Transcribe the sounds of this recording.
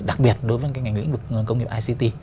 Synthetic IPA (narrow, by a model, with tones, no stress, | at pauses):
ɗa˨˩k̚ɓi˨˩ət̚ɗo˨˦jvəː˨˦kaː˨˦jŋa˨˩ŋ̟lḭ˧˥ŋ̟vɨ˨˩k̚ːkə˧wŋ͡mŋ˨˩əʔaː˧si˧t̪i˧